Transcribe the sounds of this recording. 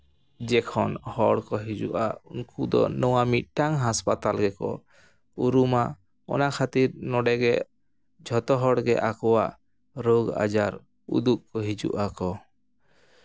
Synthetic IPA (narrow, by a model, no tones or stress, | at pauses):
d͡ʒɛkʰɔnhɔɽkɔɦid͡ʒuʔauŋkʰud̪ɔ̰nɔwamit̪̚ʈaŋɦaspat̪alɡɛkɔ̰ | uɾuma | ɔ̰nakʰat̪iɾnɔɖɛɡɛʔ | d͡ʒʱɔt̪ɔɦɔɽɡɛ̰ʔakɔwaʔ | ɾoɡa̰d͡ʒaɾ | ṵd̪uʔkɔɦid͡ʒṵʔakɔ